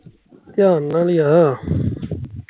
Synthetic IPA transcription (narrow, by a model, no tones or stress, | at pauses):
t̪ɪjaːnːaːliːa